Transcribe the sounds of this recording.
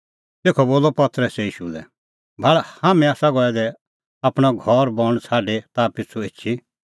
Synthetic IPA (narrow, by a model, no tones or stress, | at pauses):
t̪eːkʰɔboːlɔpɐt̪ɾəsɛiːʃulɛ | bʱaɭhaːmɛ̃aːsaɡɔɛd̪ɛ | apɽ̃ɔɡʱɔɾbɔ̃ɽ̃t͡sʰaːɖet̪apɪt͡sʰuet͡ʃʰi